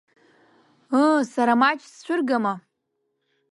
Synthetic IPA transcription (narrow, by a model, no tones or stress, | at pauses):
əsaɾamat͡ʃʰʼst͡ɕʷʰʊrɡama